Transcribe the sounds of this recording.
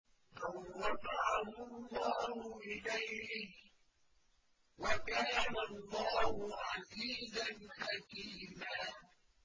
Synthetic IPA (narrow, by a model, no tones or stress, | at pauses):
lawːɑdɑʕahʊlːɑːhʊʔɪlajhɪh | wakaːnalːɑːhʊʕaziːzanħakiːmaː